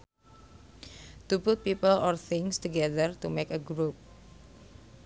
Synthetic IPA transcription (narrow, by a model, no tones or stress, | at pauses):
t̪upʊt̪̚pipəlɔrθɪŋst̪uɡɛðərt̪umekəɡɾup̚